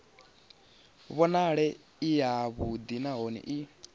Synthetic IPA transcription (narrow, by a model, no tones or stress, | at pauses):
βɔnaɺɛ | ijaβud̪inaɦɔnḭʔi